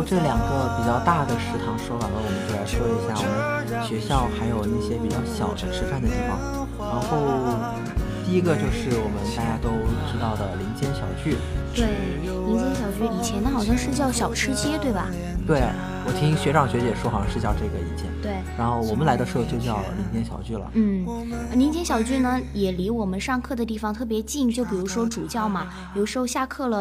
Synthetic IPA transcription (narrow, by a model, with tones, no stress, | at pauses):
ʈ͡ʂɤ˥˩ljɑ˨˩ŋɡə˧˦pi˨˩t͡ɕjɑ˥˧ʊt̪a˥˩d̪ə˩ʂɻ̩˧˥t̪ʰɑ˧˥ŋʂwɔ˥wa˨˩lə˦wɔ˨˩mə˦t͡ɕla˧˥ɪʂwɔ˥˩i˧˥ɕja˥˩wɔ˨˩mə˦n | ɕɥɛ˧˥ɕjɑ˥˩ʊxa˧˥ɪjo˨˩ʊna˥˩ɕjɛ˥pi˨˩t͡ɕjɑ˥˩ʊɕjɑ˨˩ʊd̪ə˦ʂʰɻ̩˧˥fa˥˩nd̪ə˩i˥˩fɑ̰˧˩ŋ | ɻa˧˥nxo˥˧ʊ | t̪i˥˧i˥ɡə˧t͡ɕjo˥˧ʊʂɻ̩˥˩wɔ˨˩mə˦nt̪a˥˧t͡ɕja˥t̪o˥ʊʈ͡ʂɻ̩˧˥t̪ɑ˥˩ʊd̪ə˩li˧˥ŋt͡ɕjɛ˥nɕjɑ˨˩ʊt͡ɕy˥˩t̪we˥˩ɪ | jo˨˩ʊi˧˥ŋt͡ɕjɛ˥nɕ̬jɑ˨˩ʊt͡ɕy˥˩i˨˩t͡ɕʰjɛ˧˥nd̪ə˧˩xɑ˨˩ʊɕjɑ˥˧ŋʂɻ̩˥˧t͡ɕjɑ˥˩ʊɕjɑ˨˩ʊʈ͡ʂʰɻ̩˥˧t͡ɕjɛ˥t̪we˥˩ɪbɐ˩ | t̪we˥˩ɪ̰˩ | wɔ˨˩t̪ʰi˥ŋɕɥɛ˧˥ʈ͡ʂɑ˥˩ŋɕɥɛ˧˥t͡ɕjɛ˨˩ʂwɔ˥xɑ˧˥ŋʂɻ̩˥˧t͡ɕjɑ˥˧ʊʈ͡ʂɤ˥˩ɡə˩i˥˩t͡ɕʰjɛ̰˧˥˩nt̪we˥˩ɪɻa˧˥nxo˥˩ʊwɔ˨˩mə˦nla˧˥ɪd̪ə˧ʂɤ˥˧t͡ɕjo˥˧ʊt͡ɕjɑ˥˩ʊli˧˥ŋt͡ɕjɛ˥nɕjɑ̰˨˩ʊt͡ɕy˥˩lə̰˩n̩˥˩˧li˧˥nt͡ɕjɛ˥nɕjɑ˨˩ʊt͡ɕy˥˩nə˩jɛ˨˩li˧˥wɔ˨˩mə˦nʂɑ˥˧ŋkʰɤ˥˩d̪ə˩t̪̬i˥˩fɑ˨˧ŋt̪ʰɤ˥˩p̬jɛ˧˥t͡ɕi˥˩ŋt͡ɕjo˥˩ʊp̬i˨˩ɻu˧˥ʂwɔ˥ʈ͡ʂu˨˩t͡ɕjɑ˥˩ʊmɐ˩ | jʂɻ̩˧˥xo˥˧ɕja˥˧kʰɤ˥˩lə˩